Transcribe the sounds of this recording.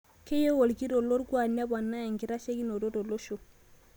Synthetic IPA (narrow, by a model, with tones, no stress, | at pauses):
ke˦je˦wo˨lɡi˦do˨lo˦ɾɡu˦a˨na˦ba˨nːa˦ja˨ŋɡi˨ɾa˦ʃe˦ɡi˦no˨do˦do˨lo˦ʃo˨